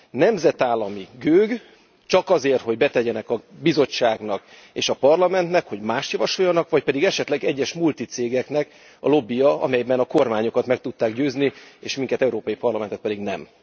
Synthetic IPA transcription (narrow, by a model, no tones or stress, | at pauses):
nɛmzɛt̪aːlːɒmiɡøːɡ | t͡ʃɒkɒzeːrt̪ho̞ɟbɛt̪ɛɟɛnɛkɒbizo̞t͡ʃːaːɡnɒk | eːʃɒpɒrlɒmɛnt̪nɛkho̞ɟmaːʃt̪jɒvɒʃojːɒnɒkʋɒcpɛd̪iɡɛʃɛt̪lɛɡɛɟːɛʃmult̪it̪seːɡɛknɛk | ɒ̰lo̞bːijɒɒ̰mɛjbɛnɒko̞rmaːɲokɒt̪mɛk̚t̪ut̪ːaːɡɟøːzniḛːʃmiŋkɛt̪ɛuɾoːpɒjipɒrlɒmɛnt̪ɛt̪pɛd̪iɡnɛ̰m